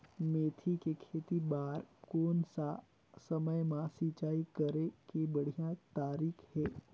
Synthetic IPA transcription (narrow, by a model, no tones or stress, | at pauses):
meːt̪ʰikekʰeːt̪ibaːɾkoːnsa | sɐməjmãsiːt͡ʃaːikəɾekebəɽ̤ijãt̪aːɾiːkʰhɛː